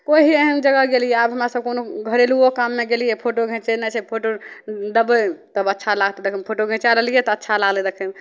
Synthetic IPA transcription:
koɦieɦənd͡ʒəɡəɡelijɛabɦəmɾasəb̚konoɡʱəɾeluokamːeɡelijepʰoʈoɡʱẽt͡ʃenɛt͡ʃʰɛpʰoʈod̪əbət̪əbətːʃʰalaɡt̪d̪ekʰəmpʰoʈoɡʱẽt͡ʃalelijet̪ɔətːʃʰalaɡled̪ekʰəm

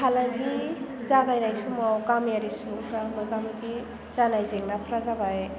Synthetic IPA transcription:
hʰalanɡizaɡajnajsumawkamjaɾisupʰɾamɔjkamiɡi | z̥anajzeŋnapʰɾazabaj

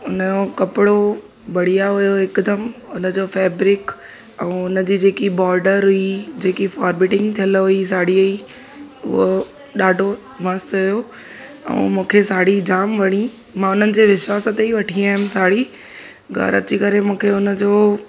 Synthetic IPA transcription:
ʊnəokɐpɪɽo | bɐɽ̤ijaɦʊjoɪkd̪əmʊnə̆d͡ʑoːfɛːbɾɪk | ɛ̃ːʊnə̆d͡ʑiːd͡ʑeːkibɔːɾɖəɾɦʊid͡ʑeːkifaːɾbɪːʈɪ̃ŋɡt̪ʰijəlɦʊis̬aːɽioi | ʊ̰ɦo | ɗaːɖʱo | ʋə̃st̪ɦʊjo | ɛ̰̃ːmũːkʰesaːɽid͡ʑaːmʋɐɽ̃ĩ | mãːʊnənɪ̆d͡ʑeːʋɪʃʋaːsət̪eiʋɐʈʰiaːɦɪmsaːɽi | ɡʱɐ̰ɾɐ̰t͡ɕikɐɾemũːkʰeʊnə̆d͡ʑoː

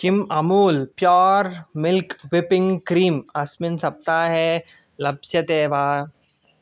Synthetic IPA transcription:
t͡ʃɪmɐmuːlpjɔːɾmɪlkʋɪpɪ̃ŋɡkɾiːmɐsmɪnsɐp̚t̪aɦɛ | lɐbsjɐt̪eːʋaː

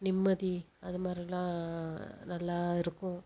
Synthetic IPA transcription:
nɪmːɐði | ɐðɯmaːd̪ɾilãː | nɐlːaːɪɾɯkːʊ̃

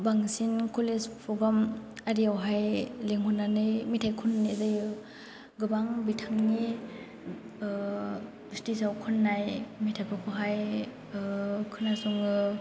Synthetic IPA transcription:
baŋsinkʰolespʰɔɡamaɾiawɦajleŋɦɔnːanɯjmitʰajkʰunːizɯjɯ | ɡɯbaŋbitʰaŋni | stisawkʰɯnːajmitʰapʰɯkʰɔɦaj | kʰɯnasuŋɯ

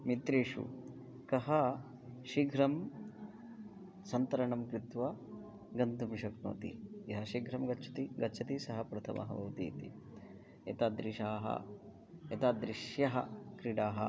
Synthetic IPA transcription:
mit̪ɾeːʂṵ | kɐɦɐ | ʃiɡʱɾɐm | sɐnt̪ɐɾɐɳɐmkɾit̪ʋɐ | ɡɐnd̪umʃɐkno̰ːt̪ḭjɐɦɐʃiɡʱɾɐmɡɐtːt͡ʃʰɐ̥t̪iɡɐtːt͡ʃʰɐt̪isɐɦɐpɾɐt̪ʰɐ̰mʔɐ̰ɦɐ̰bɐwt̪ḭːt̪ḭ | et̪aːd̪ɾiʃaːɦɐ̰ | et̪aːd̪ɾiʃjɐɦɐ̰kɾiɽaːɦɐ̰

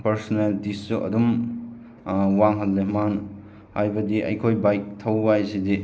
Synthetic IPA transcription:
pɐɾsoneldisːuʔɐ̰dum | waŋɦɐlːeman | hajbɐdiʔɐ̰jkʰojbajk̚tʰɐwbajsidi

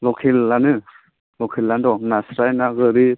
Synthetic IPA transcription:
lɔkʰilːanɯ | lɔkʰilːandɔnasɾajnaɡɯɾi

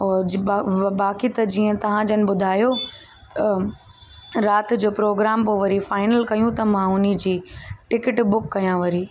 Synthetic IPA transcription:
ɔː | baːkit̪ɐd͡ʑiːə̃t̪ɐʋ̤ãd͡ʑɐnɪ̆ɓʊd̪ʱaːjo | t̪ɐ | ɾaːt̪ɪ̆d͡ʑoːpɾoːɡɾaːmpoːʋɐɾifaːɪnəlkɐjũt̪ɐmãʊnid͡ʑiːʈɪkɪʈbʊkːɐjãʋɐɾiː

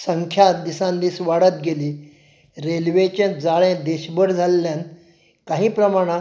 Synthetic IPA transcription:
səŋkʰjat̪d̪isãnd̪iːsʋaɽət̪̚ɡeliː | ɾelʋet͡ɕẽd͡zaɭẽd̪eɕbəɾd͡zʱalːjan | kaɦĩːpɾəmaɽ̃ã

